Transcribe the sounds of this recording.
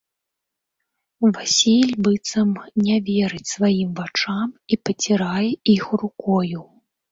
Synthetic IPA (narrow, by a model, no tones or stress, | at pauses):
vasʲilʲbɨt̪sɐmnʲɛvʲɛɾɨt͡sʲsvajimvat͡ʂamipɐt͡sʲiɾajɛixrukɔju